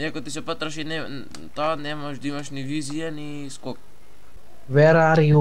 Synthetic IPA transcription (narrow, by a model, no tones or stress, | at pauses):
ɛkot̪isɛpat̪ɾɐʃinɛ | t̪anɛmaʃd̪imɐʃnivizijani | skok̚ | vɛɾaɾiu